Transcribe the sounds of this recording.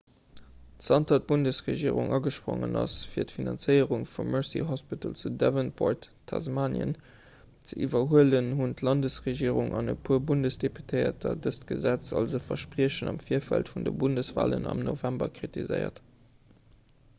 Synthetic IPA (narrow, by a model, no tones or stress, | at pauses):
tsɑntɐt̚b̥undəsʁeʒiːʁuŋʔɑɡəʃpʁo̰ŋənɑsfiːɐtfinɑnt͡səɪəʁuŋfumːɜɹsḭɦɔspitəlt͡sudɛvənbʰoɹtʰːɑzmaːnjə̰n | t͡səʔivɐɦuələnɦuntlɑndəsʁeʒiːəʁuŋʔɑnəpʰuəbundəsd̥epytʰəɪɐtʰɐdəstɡ̥əzæt͡sɑlzofɐʃpʁiəɕənɑmfiːɐfæltfundəbundəsv̥a̰ːlənɑmnovæmbɐkχitizə̰ɪɐ̰t